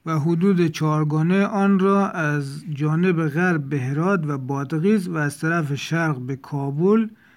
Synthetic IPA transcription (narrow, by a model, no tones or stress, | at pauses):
væɦʊd̪uːd̪et͡ʃʰɒːɾɡɒːneʔɒːnɾɒːʔæzd͡ʒɒːnebeɣæɾbːeɦeɾɒːd̪væbɒːd̪ɣiːzvæːzt̪ʰæɾæfeʃæɾɣbekʰɒːbul